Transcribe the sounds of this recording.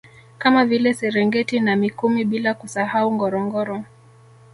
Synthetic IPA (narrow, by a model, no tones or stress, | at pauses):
kamavilɛsɛɾɛŋɡɛtinamikumiɓilakusahauŋɡɔɾɔŋɡɔɾɔ